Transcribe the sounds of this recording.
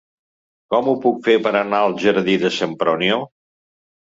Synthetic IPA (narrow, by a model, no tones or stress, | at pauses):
kɔmupukfepəɾənaəlˠʒəɾðiðəsəmpɾonjo